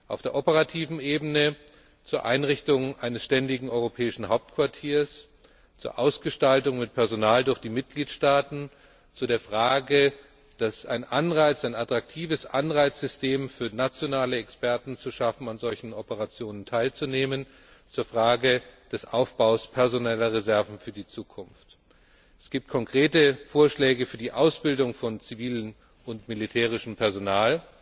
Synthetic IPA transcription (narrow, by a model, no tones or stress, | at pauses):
ʔa̰ʊfd̥eːɐʔopəʁatʰiːvn̩eːbənə | t͡suːɐʔa̰ɪnʁɪçtʊŋʔaɪnəsʃtɛndɪɡŋ̩ʔɔʏʁopʰɛːɪʃn̩haʊp̚tkv̥aɐtʰiːɐs | t͡sṵːɐʔaʊsɡ̥əʃtaltʊŋmɪt̚pʰɛɐzonaːldʊɐçd̥iːmɪt̚ɡ̥liːtʃtaːtn̩ | t͡sudeːɐfʁ̥aːɡə | d̥asaɪnʔanʁaɪt͡saɪnatʁ̥ak̚tʰiːvəsʔanʁaɪt͡sz̥ʏstʰeːmfyːɐnat͡sjonaːləɛkspʰɛɐtn̩t͡suʃafn̩anzɔlçn̩ʔɔpəʁat͡sjoːnəntʰaɪlt͡suneːmən | t͡suːɐfʁ̥aːɡəd̥ɛsʔaʊfb̥aʊspʰɛɐzonɛlɐʁezɛɐvn̩fyːɐdiːt͡suːkʰʊnft | ʔɛsɡ̥iːp̚t̚kʰɔŋkʁ̥eːtəfoːɐʃlɛːɡəfyːɐdiːʔaʊsb̥ɪldʊŋfɔnt͡siviːlən | ʔʊntmilitʰɛːʁ̞ɪʃn̩pʰɛɐzonaːl